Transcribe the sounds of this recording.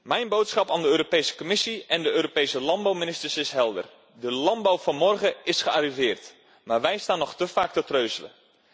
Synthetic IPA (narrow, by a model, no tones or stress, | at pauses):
mɛjnbowtsχɑpaːndəøːɾopejsə̥komɪsiɛndəøːɾopejsəlɑnbawminɪstəɹsɪsɦɛlˠdə̰r | dəlɑnbawv̥ɑnmɔrχəɪsχəaːrivɪːrt | maːɹʋɛjstaːnːɔχtəfaːk̚tətrøɥzələ̰